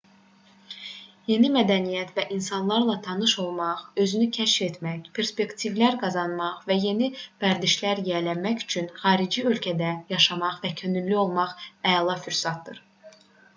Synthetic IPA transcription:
je̞nimæd̪ænijæt̪væʔinsɑnlˠɑɾlˠɑt̪ʰɑnɯʃo̞lˠmɑʁø̞zynycʰæʃfe̞t̪mæçpʰe̞ɾspe̞kt̪ʰivlæɾɡɑzɑnmɑʁvæje̞nivæɾd̪iʃlæɾjelæmæçy̥t͡ʃʰynχɑːɾid͡ʒiø̞lcʰæd̪æjɑʃɑmɑχvæcʰø̞nylːyo̞lˠmɑχæjɑlˠɑfyɾsɑt̪̚d̪ɯɾ

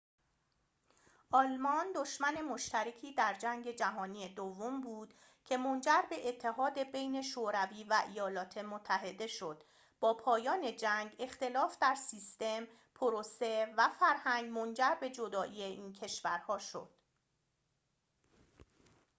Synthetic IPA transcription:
ʔɒlmɒnd̪o̞ʃmæne̞mo̞ʃt̪æɾecʰiːd̪æɾd͡ʒæŋɡe̞d͡ʒæɦɒːniːed̪ovːombuːd̪̥ | cʰe̞mo̞nd͡ʒæɾbe̞ʔet̪ʰːe̞ɦɒːd̪e̞be̞jne̞ʃoːɾæviːvæʔijɒːlɒːt̪ʰe̞mot̪ʰːæɦe̞d̪e̞ʃo̞d̪̥ | b̥ɒːpʰɒːjɒːne̞d͡ʒæŋɡe̞xt̪e̞lɒːfd̪æɾsiːst̪e̞m | pʰoɾose̞væfæɾhæŋɡmo̞nd͡ʒæɾbe̞d͡ʒo̞d̪ɒːʔiːeʔiːncʰe̞ʃvæɾhɒːʃo̞̰d̪̥

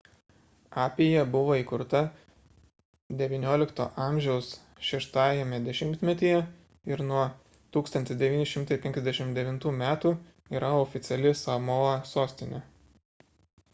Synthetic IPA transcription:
ɑːpʲejɛbʊʋoːiːkʊɾt̪ɐ | d̪ʲɛʋʲinʲoːlʲɪkt̪o̰ːʔɑˑmʲʒʲɛʊs | ʃʲɛʃt̪ɑːjɛmʲɛd̪ʲɛʃʲɪmʲt̪ʲmʲɛt̪ʲijɛ | ɪɾnuɔ | t̪uːkst̪ɐnʲt̪ʲɪsd̪ʲɛʋʲiːnʲɪʃʲɪmt̪ɐɪpʲɛ̃ŋʲkʲɛzd̪ʲɛʃʲɪmt̪d̪ʲɛʋʲɪnt̪uːmʲæːt̪uː | iːɾɐɔfʲɪt̪sʲɛlʲɪsɐmoɐsoːsʲt̪ʲɪnʲɛ

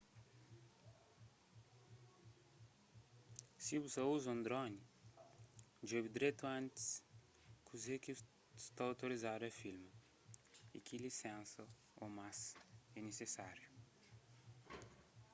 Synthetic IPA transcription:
sibusɐuzõnd̪ɾɔ̃ni | d͡ʒobid̪ɾet̪uɐ̃nt̪i̥s | kuzeki | st̪aawt̪oɾizad̪ʊɐfilmɐ | ḭkʰilisɛ̃nsɐ | omasɛnesesaɾju

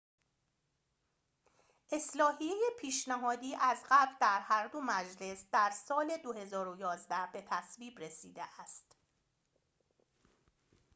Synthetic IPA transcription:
ʔe̞slɒːhijejepʰiːʃnæɦɒːd̪iːʔæzɢæbɾd̪æɾhæɾd̪o̞mæd͡ʒle̞sd̪æɾsɒːle̞d̪ohe̞zɒːɾojɒːzd̪æhb̥e̞t̪ʰæsviːbɾe̞siːd̪eʔæst̪

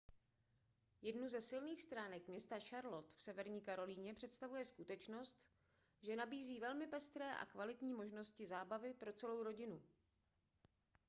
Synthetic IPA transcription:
jɛdnuzɛsɪlniːxst̪ɾaːnɛkmɲɛst̪aʃaɾlo̞t̪fsɛvɛɾɲiːkaɾo̞liːɲɛpr̝̥ɛt̪st̪avujɛskut̪ɛt͡ʃno̞st̪ | ʒɛnabiːziːvɛlmɪpɛst̪ɾɛːʔa̰kvalɪt̪ɲiːmoʒno̞scɪzaːbavɪpɾo̞t͡sɛlo̞wɾo̞ɟɪnu

